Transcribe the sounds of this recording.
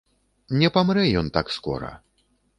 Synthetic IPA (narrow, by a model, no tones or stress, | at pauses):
nʲɛpamɾɛjɔnt̪akskɔ̰ɾɐ̰